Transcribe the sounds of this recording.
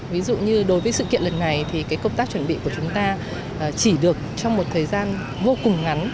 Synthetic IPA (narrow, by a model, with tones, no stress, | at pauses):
vi˨˦zṵ˧˨ɲɨ˧ɗo˨˦jvəː˨˦jsɨ̰˧kḭ˧ənlə˨˩nːa˨˩jt̪ʰi˨˩kaː˨˦jkə˧wŋ͡mt̪aː˦˥k̚t͡ɕwə˧˩nɓḭ˧˨ku˧˩ət͡ɕʊ˨˦ŋ͡mt̪aː˧˨˩ | t͡ɕi˧˩ɗɨ˨˩ək̚t͡ɕɔ˧wŋ͡mmo˨˩t̚t̪ʰəː˨˩jzaː˧n | vo˧kʊ˨˩ŋ͡mŋa˨˦n